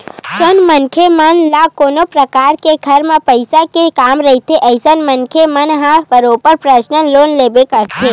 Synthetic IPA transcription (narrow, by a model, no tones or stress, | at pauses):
t͡ʃənmənkʰemənlakonopɾəkaɾkeɡʱəɾmãpəjsakekamɾəɦit̪ʰeʔəjsənmənkʰemənɦãʋəɾopəɾpɾəʃnəlonlebekəɾt̪ʰe